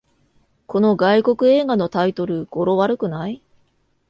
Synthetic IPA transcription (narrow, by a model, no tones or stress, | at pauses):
ko̞no̞ɡaiko̞kɯ̟e̞ːɡano̞t̪ait̪o̞ɾɯ̟ɡ̥o̞ɾo̞βaɾɯ̟kɯ̟nai